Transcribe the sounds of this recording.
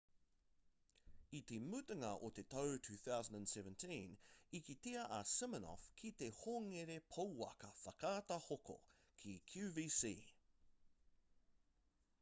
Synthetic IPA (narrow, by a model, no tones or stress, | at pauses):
it̪emʉt̪ɐŋɐʔot̪et̪ɐwtʰʉːθawzə̃n̩də̃nsɛvə̃ntʰĩnikit̪iɐʔɐsɪmənɔ̰fkʰit̪ehoŋeɾepʰɐwɐ̰kɐfɐkaːt̪ɐhoko̰ | kʰikʰjʉviːsḭː